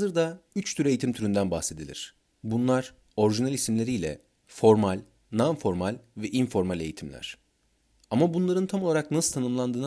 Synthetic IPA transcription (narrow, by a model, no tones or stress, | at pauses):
azɯɾd̪ayt͡ʃt̪ʰyɾe̞jit̪ʰimt̪ʰyɾynd̪ænbaxse̞d̪ilʲḭɾ̥ | bunlˠaɾ̥ | o̞ɾiʒinalʲisimlʲe̞ɾijlʲɛ̰ | fo̞ɾmalʲ | nanfo̞ɾmalʲvɛʔinfo̞ɾmalʲe̞̰jit̪ʰimlʲæ̰ɾ̝̥ | amabunlˠaɾɯnt̪ʰamo̞lˠaɾaknasɯt̪ʰanɯmlˠand̪ɯːn